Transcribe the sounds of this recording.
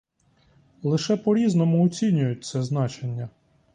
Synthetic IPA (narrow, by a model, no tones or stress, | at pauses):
lˠɪʃɛpɔɾʲiznɔmʊɔt͡sʲinʲʊjʊt̚ʲt̪sɛznɑt͡ʃenʲːɐ